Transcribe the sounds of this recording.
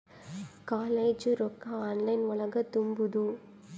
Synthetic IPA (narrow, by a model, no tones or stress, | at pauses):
kaːleːd͡ʒɯɾɔkːaaːnlɐɪnʋʊɭɐɡɐt̪ːʊmbɯðu